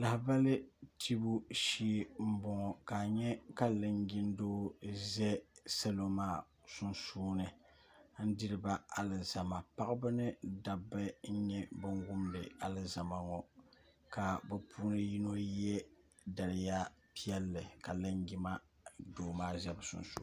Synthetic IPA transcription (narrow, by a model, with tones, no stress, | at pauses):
la˨hba˦lɨ˦tʰi˦bu˦ʃiː˦m̩˦bɔ˦ŋɔ˨ka˨ɲɛ˦ka˦lɨ˦ŋɡʲi˦n˦doː˦zɛ˦sa˦lo˦maː˦˨ | su˦nsuː˦nɨ˨ | n̩˦di˦ɾɨ˦ba˦a˨lɨ˨za˨ma˨pa˦ʔɨ˦bɨ˦nɨ˦da˨bːɨ˦ɲ̩˦ɲɛ˦bɨ˦ŋɡʊ˦mdɨ˨a˨lɨ˨za˨ma˨ŋɔ˨ | ka˨bɛ˨pʰuː˦nɨ˦ji˦no˦jɛ˦ | da˨lɪ˨ja˦pi˦ɛ˦lːɨ˨ka˨lɨ˦ŋɡʲi˦ma˦ | doː˨maː˦zɛ˦bsʊ̰˨nsṵ˦